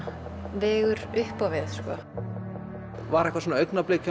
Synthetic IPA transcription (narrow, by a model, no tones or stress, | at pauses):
vɛːɣʏɾʏhpavɪðskɔ | vaɾɛhkvasɔnaœɥknapleːca